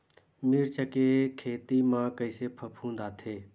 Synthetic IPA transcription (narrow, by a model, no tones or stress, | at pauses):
miːɾt͡ʃəkeːkʰeːt̪iːmãːkəiseːpʰəpʰũːnd̪aːt̪ʰeː